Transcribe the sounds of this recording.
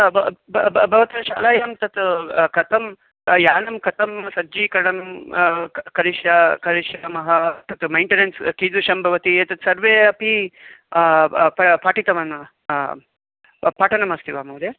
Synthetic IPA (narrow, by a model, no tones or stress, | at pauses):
bʱɐʋɐt̪ɐɐʃa̰ːlaːjɐmt̪ɐt̪kɐt̪ɐm | jaːnɐmkɐt̪ɐmsɐːd͡ʒiːkɐɾɐɳɐm | kɐɾiʃjakɐɾiʃjamɐɦɐt̪ɐt̪mɐjɳʈenenskiːd̪uʃɐmbʱɐʋɐt̪ieːt̪ɐt̪sɐɾʋeːɐpi | pɐpaːʈit̪ɐʋɐnɐ | paːʈʰɐnɐmɐst̪ʰiʋaːmɐwd̪eː